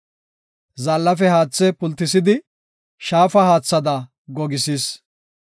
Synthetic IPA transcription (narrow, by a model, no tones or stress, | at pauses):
zɐlːɐfɛhaːt͡sːɛpʊlt̪ːɪsɪd̪ɪ | ʃaːfɐhaːt͡sːɐd̪ɐ | ɡɔɡɪsiːs